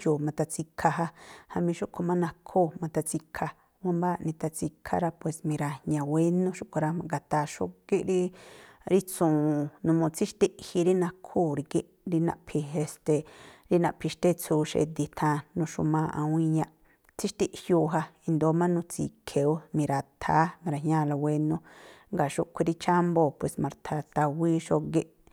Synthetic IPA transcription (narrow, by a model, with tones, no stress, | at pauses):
joː˨mã˧t̪a˧t͡si˧kʰa˧ɦa˧ha˧mĩ˧ʃu˦ʔkʰo˧mã˦nã˧kʰoː˦˨mã˧t̪a˧t͡si˧kʰa˧ | wã˧˦mbaː˦˧˨nĩ˧t̪a˧t͡si˧kʰa̰˧ɾa˧pwe˨smĩ˧ɾa˧ɲã˧˨we˦nũ˦ʃu˦kʷa˧ɾa˧mã˧ɡa˨t̪a˧ʃo̰˦ki˦ʔɾi˦ɾi˦t͡sũː˨nũ˧mõ˧t͡si˦ʃt̪i˧ʔhi˧ɾi˦nã˧kʰuː˦˨ɾi˧ki˦ʔ | ɾi˧nã̰˧ʔpʰi˧e˧st̪e˨ɾi˦nã˧ʔpʰi˧ʃt̪e˦˧t͡sʰuː˧ʃḛ˧d̪i˧t̪ʰã˧nũ˧ʃu˧mãː˧ʔa̰˧w̃ĩ˧ɲã˧ʔ | t͡si˦ʃt̪i˧ʔhjuː˧ɦa˧i˧nd̪o˧˦mã˦nũ˧t͡sḭ˧kʰe˨u˦mĩ˧ɾa˧t̪ʰaː˨˦mĩ˧ɾa˧˨hɲã˧la˧we˧nũ˧ŋɡa˨ʃu˧ʔkʷi˧ɾi˧t͡ʃa˦mbo˧˨pwe˨smã˧ɾt̪ʰa˧t̪a˧wiː˦ʃo˧ɡe˧ʔ